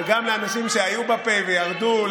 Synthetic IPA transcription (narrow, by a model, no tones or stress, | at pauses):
ɡamleanaʃimʃeajubape̞vejaʁd̪ul